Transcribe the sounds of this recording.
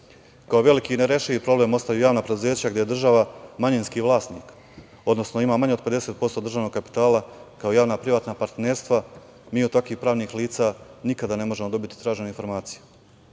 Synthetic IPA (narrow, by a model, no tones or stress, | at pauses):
kaoʋe̞likiːneɾeʃiipɾo̞ble̞ːmo̞st̪ajujaːʋnapɾed̪uze̞ːt͡ɕaɡd̪je̞ed̪r̩ʒaʋamaɲinskiʋlˠaːst̪niːk | o̞d̪no̞sno̞imaːmaɲeope̞d̪e̞seːt̪̚po̞st̪o̞d̪ɾr̩ʐʒaːʋno̞ɡkapi̥t̪aːlakaojaːʋnapɾiʋaːt̪napaɾt̪neːɾst̪ʋa | miːod̪t̪akʋiːxpɾaːʋniːxliːt̪saːnikad̪ane̞mo̞ʒe̞mo̞d̪o̞bit̪i̥t̪ɾaːʒenoinfo̞ɾmaːt̪siju